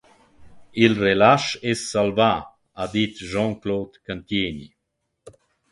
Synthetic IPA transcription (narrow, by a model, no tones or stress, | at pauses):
ilrelaʃesːalva | ad̪it̪ʒɑ̃ŋkloːt̪kənt̪jeːni